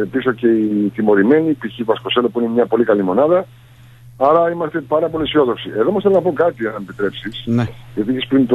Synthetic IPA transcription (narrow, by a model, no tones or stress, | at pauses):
piso̞ce̞it̪imo̞ɾime̞nipiçivɐsko̞se̞lopuinemɲɐpo̞likɐlimo̞nɐðɐ | ɐɾɐimɐst̪e̞pɐɾɐpo̞lisio̞ðo̞ksie̞ðo̞mɐsθelonɐpokɐt̪ienɐmepit̪ɾe̞psisʝɐt̪ieçespɾint̪o